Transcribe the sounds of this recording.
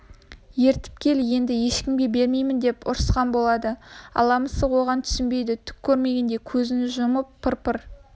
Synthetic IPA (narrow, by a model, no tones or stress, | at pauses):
je̞ɾt̪ɪ̥p̚kʲʰe̞lje̞nd̪ɪje̞ʃkʲɪmɡʲe̞be̞ɾme̞jmɪnd̪e̞pʊ̰ɾəsqɑnbo̞lˠɑd̪əɑ̰lˠɑməsəwoʁɑnt̪ʰʏ̥sɪnbe̞jd̪ɪt̪ʰʏ̥kʲʰːɵɾme̞ɡʲe̞nd̪e̞kʲʰɵzɪnɪʒʊməpʰːɪɾpʰəɾ